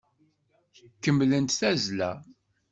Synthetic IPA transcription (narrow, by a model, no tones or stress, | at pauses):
kəmːlənt̪θæzlæ̰